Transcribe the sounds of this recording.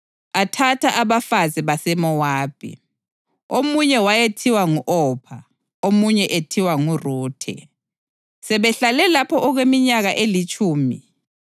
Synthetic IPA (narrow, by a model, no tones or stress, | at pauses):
atʰatʰaʔaβafaziβasɛmɔwaːpʰḭ | omuɲɛwajetʰiwaŋuʔɔpʰa | omuɲɛʔetʰiwaŋuruːtʰɛ̰ | sɛβɛɬalɛlapʰɔʔɔɣwemiɲaɣaʔelit͡ʃʼuːmḭ